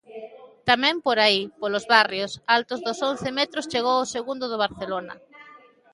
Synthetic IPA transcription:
t̪amɛ̃mpoɾaipolozβarjosalt̪ʊzðʊsonθemet̪ɾʊst͡ʃeɣ̞owoseɣund̪ʊðʊβ̞aɾθelonɐ̰

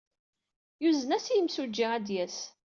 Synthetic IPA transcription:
juzənæsjəmsud͡ʒːiæd̪jæs

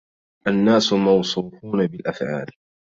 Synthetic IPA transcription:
ʔanːaːsʊmɑwsˤuːfuːnabɪlʔafʕa̰ːl

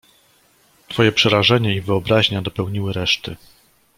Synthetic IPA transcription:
t̪fɔjɛpʂɛɾaʐɛɲaivɘɔbɾaʑɲad̪ɔpɛwɲiwɘɾɛʂt̪ɘ

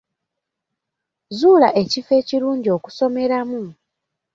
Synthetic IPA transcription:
zuːlaʔe̞cife̞ːciɾuːɲɟio̞ku̥so̞me̞ɾamu

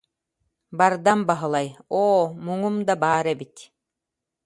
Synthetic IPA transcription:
baɾd̪ambaɦɯlˠajoːmuŋumd̪abaːɾɛbit̪

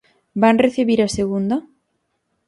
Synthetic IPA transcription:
banreθiβiɾaseɣund̪a

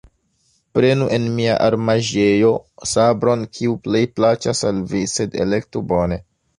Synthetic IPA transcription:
pɾe̞nuʔe̞nmia̰ʔaɾmaʒe̞jo̞sabɾo̞nkʰiuple̞jplat͡ʃasalvise̞de̞̰le̞ktubo̞ne̞

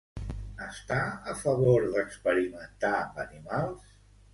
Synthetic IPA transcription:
əst̪aəfəβoɾðəkspəɾimənt̪ambənimalˠs

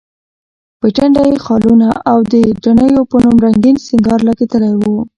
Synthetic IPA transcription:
pəʈaɳɖajexɑlunaʔawd̪əɖɾanəjopənumɾaŋɡinsɪŋɡɑɾlaɡet̪əlajwu

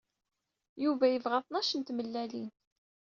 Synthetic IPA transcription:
juvæjəvʁaθˤnæʃənt̪məlːælḭn

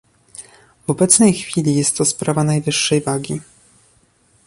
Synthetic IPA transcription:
v̥ɔbɛt̪snɛjxfʲilʲijɛst̪ːɔspɾavanajvɘʂːɛjvaɡʲi

